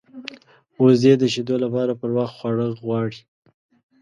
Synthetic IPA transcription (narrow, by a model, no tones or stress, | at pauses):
ozed̪əʃed̪olapɑɾapəɾwɑxt̪xwaɽəɣwɑɽi